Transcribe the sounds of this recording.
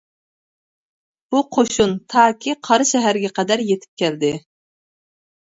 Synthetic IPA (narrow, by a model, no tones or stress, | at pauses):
b̥uqʰoʃunt̪ʰɑːkʲʰiqʰɑɾɨʃɛɦæɾɡʲɛqɛd̪æɾjet̪ʰɪ̥p̚kʲʰæld̪ɪ